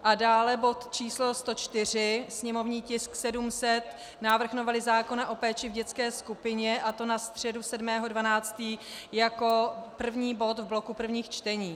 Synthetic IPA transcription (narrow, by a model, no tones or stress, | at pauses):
ʔadaːlɛbo̞t̪t͡ʃiːslo̞st̪o̞t͡ʃt̪ɪr̝ɪsɲɛmo̞vɲiːcɪsksɛdumsɛt̪ | naːvr̩xnovalɪzaːko̞naʔo̞pɛːt͡ʃɪvɟɛt͡skɛːskupɪɲɛʔat̪o̞nast̪r̝̥ɛdusɛdmɛːɦo̞dvanaːt͡st̪iːjako̞pr̩vɲiːbo̞t̪vblo̞kupr̩vɲiːxt͡ʃt̪ɛɲiː